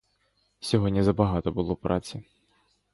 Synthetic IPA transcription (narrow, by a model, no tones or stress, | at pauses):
sʲɔɦɔdʲnʲizɐbaɦat̪ɔbɨlˠɔpɾʔat͡sʲi